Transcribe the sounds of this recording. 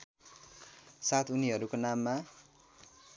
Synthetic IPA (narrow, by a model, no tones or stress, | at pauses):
sat̪uniɦʌɾukonamːa